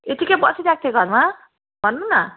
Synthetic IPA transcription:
et̪ikʌbʌsiɾak̚t̪ʰeɡʱʌrma | bʱʌnːunʌ

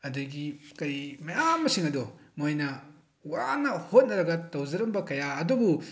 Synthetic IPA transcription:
ɐduɡikɐjmɐjamːɐsiŋɐdomojnɐ | wanɐhot̚nɐɾɐɡɐtɐwzɐɾɐmbɐkɐjaɐdubu

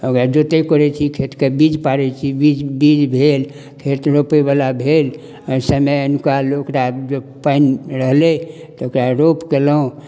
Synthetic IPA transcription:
əkɾad͡ʒot̪ekɔɾɛt͡ʃʰikʰet̪kebid͡ʒpaɾɛt͡ʃʰibid͡ʒbid͡ʒbʱel | kʰet̪ɾopebalabʱel | ɔsəmeənkalokɾad͡ʒopanɾəɦle | t̪okɾaɾopkeləũ

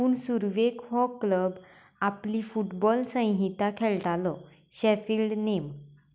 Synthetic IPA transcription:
uːnsuɾʋekhɔkləb | aplifuʈbɔlsə̃j̃ɦit̪akʰɛlʈalɔ | ɕɛfiːlɖnem

